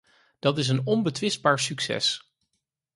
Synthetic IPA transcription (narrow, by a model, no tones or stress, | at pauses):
d̥ɑtɪs̬ənɔnbətʋɪsd̚baːɹsyksɛ̰s